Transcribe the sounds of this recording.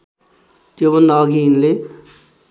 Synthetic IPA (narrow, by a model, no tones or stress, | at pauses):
t̪jobʌnd̪ʌːɡiːnle